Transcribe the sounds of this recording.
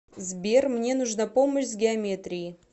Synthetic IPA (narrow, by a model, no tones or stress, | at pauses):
zbʲermnʲe̞nuʐnapoməɕʲzɡʲɪɐmʲet̪ɾʲɪjɪ